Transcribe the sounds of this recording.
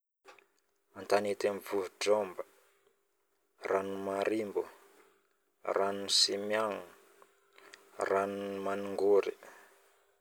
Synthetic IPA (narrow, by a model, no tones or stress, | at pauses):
ant̪anet̪amvuɦuɖ͡ʐɔmbə̥ | rʔanumaɾimbu | ranusimjaŋu | ranumanuŋɡoɾi